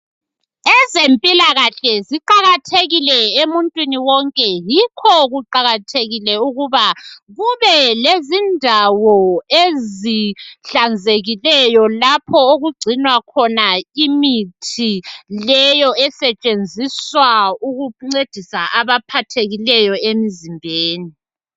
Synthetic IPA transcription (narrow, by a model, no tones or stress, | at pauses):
ɛzempʼilaɣaɬɛziǃaɣatʰeɣilɛemuntʼwiniwɔŋkʼɛjikʰɔɣuǃaɣatʰeɣilɛuɣuβaɣuβɛlezindʱawɔeziɬand͡zʱeɣilɛjɔlapʰɔoɣuɡ͡ǀʱinwakʰɔnaimitʰilɛjɔɛsɛt͡ʃʼend͡zʱiswauɣuŋ͡ǀed̥ʱisaʔaβapʰatʰeɣilɛjɔemizimbʱeːni